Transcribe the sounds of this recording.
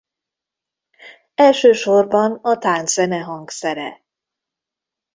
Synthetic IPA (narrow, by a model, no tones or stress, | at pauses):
ɛlʃøːʃorbɒnɒt̪aːnz̥ɛnɛɦɒŋksɛɾɛ̰